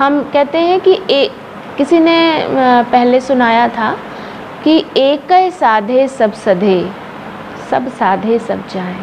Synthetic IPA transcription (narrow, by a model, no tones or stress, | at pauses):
ɦɐmkɛɦt̪eɦɛ̃kie | kɪsinepɛɦlesʊnaːjat̪ʰa | kieːkəsaːd̪ʱesɐbsɐd̪ʱe | sɐbsaːd̪ʱesɐ̰b̚t͡ʃaːẽː